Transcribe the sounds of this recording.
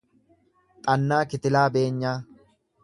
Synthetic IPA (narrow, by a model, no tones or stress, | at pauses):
t̪ʼɐnːaːkɪt̪ɪlaːbe̞ːɲːaː